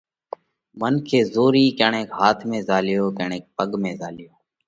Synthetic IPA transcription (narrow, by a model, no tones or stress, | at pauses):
mənkʰeːzoːɾiːkaːɳẽːkɦaːt̪ʰmẽːzaːlɪjoːkeːɳẽːk̚pəɠmẽːzaːlɪjoː